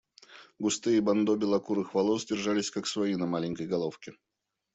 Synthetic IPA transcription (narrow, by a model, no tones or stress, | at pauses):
ɡʊst̪ɨibɐnd̪obʲɪlˠɐkuɾɨxvɐlˠosʲdʲɪrʐalʲɪsʲkaksvɐinɐmalʲɪɲʲkəjɡɐlˠo̞fkʲɪ